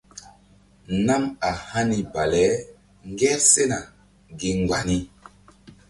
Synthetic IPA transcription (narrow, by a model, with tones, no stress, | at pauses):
na˦ma˨hã˦ni˨ba˨lɛ˨˦ | ŋɡɛ˦ɾse˦na˨ | ɡi˨ŋɡ͡ba˨ni˦